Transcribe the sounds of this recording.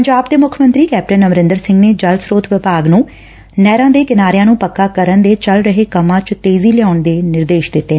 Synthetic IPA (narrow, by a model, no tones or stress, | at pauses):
pəɲd͡ʒaːb̚d̪eːmʊkʰəmənt̪ɾiːkɛːp̚ʈənəmɾɪ̃nd̪əɾsɪ̃ŋɡneːd͡ʒəlsɾoːt̪ʰʋɪpaːɡnũː | nɛːɾãːd̪eːkɪnaːɾejãːnũːpəkːaːkəɾənd̪eːt͡ʃəlɾəɦeːkəmãːt͡ʃt̪eːziːlɪjaːʊɳd̪eːnɪɾd̪eːʃd̪ɪt̪ːeː